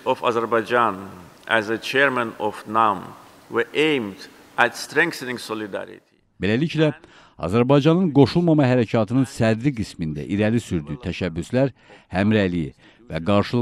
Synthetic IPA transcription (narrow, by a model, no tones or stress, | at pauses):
ɔva̰zəɾbɑjd͡ʒãn | ʔæzət͡ʃʰɛɾmæ̃nɔvnam | wəʔẽjmd̪ | ʔæt̪st̪ɾɛ̃ŋkθənĩŋsɔlid̪æ̰ɾḭt̪ʰi̥ | be̞læliclæ | ɑ̰zæɾbɑjd͡ʒɑnɯnɡo̞ʃulˠmɑmɑɦæɾæcʰɑt̪ʰɯnɯnsæd̪ɾiɡismind̪æ̰ʔiɾælisyɾd̪yt̪ʰæʃæbːyslæɾhæmɾælijḭ | væ̰ɡɑɾʃɯlˠ